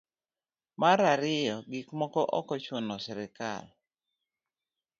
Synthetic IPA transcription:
maɾaɾɪjɔɡɪkmɔkɔʔɔkɔt͡ʃʊnɔsɪɾɪka̰l

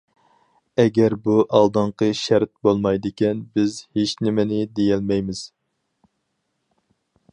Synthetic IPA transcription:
ɛɡʲɛɾbuʔɑlˠd̪ɨɴqʰəʃæɾt̪̚bolˠmɑjd̪ɪkʲɛnbɪzhet͡ʃnɪmɪnɪd̪ejɛlmɛjmɪz̥

